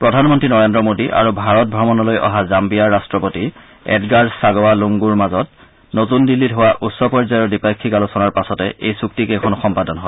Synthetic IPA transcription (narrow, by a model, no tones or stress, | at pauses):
pɹɔdʱanmɔntɹinɔɹendɹɔmodiʔa̰ɹubʱaɹɔt̚bʱɹɔmɔnɔlojʔɔ̰ɦazambijaɹːastɹɔpoti | ɛ̰dɡaɹsaɡɔwaluŋɡuɹmazɔt | notundilːitɦowaʔusɔpɔɹzajɔɹdipakʰːikalusɔnaɹpasɔtɛʔejsuktikekʰɔnxɔmpadɔnɦɔ